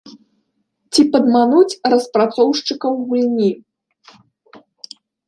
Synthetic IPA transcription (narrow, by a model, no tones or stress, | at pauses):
t͡sʲipɐd̪manut͡sʲrɐspɾat̪sɔwʂt͡ʂɨkɐwɣulʲnʲi